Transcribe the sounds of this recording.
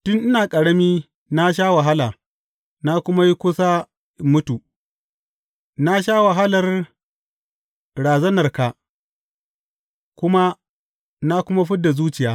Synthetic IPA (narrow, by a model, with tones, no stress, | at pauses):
tʊ˦nʔɪ˦naː˨kʼɐ˨ɽɐ˦miː˦ | na˦ʃ̬aː˦wa˨ɦa˦laː˨ | na˦kʷʊ˦ma˦ji˦kʷʊ˦sa˦ | mʊ˦tuː˨ʔ | na˦ʃaː˦wa˨ɦa˦lɐ˨r | ɽaː˨zɐ˦nɐ˨rka˨ | kʷʊ˦ma˦ | na˦kʷʊ˦ma˦ɸɪ˦dːa˨zuː˦t͡ʃɪ˨jaː˦